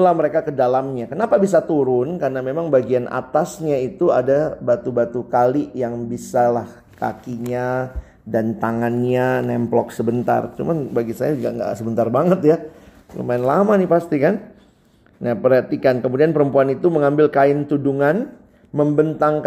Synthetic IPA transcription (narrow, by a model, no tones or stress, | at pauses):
lahməɾekakədalamɲakənapabis̬at̪uɾʊnkarnamemaŋbaɡianʔa̰t̪asɲait̪uadabat̪ubat̪ukaliʔjaŋbisalah | ka̰kiɲa | dant̪aŋanɲanɛmplɔksəbənt̪a̰rt͡ʃṵmanbaɡisa̰jad͡ʒuɡa̰ʔŋɡa̰səbənt̪arbaŋət̪ja | lo̰maɪnlamanɪpast̪ikan | napəɾhat̪ikankəmudianpəɾəmpuanit̪uməŋambɪlkaɪnt̪uduŋan | məmbənt̪aŋk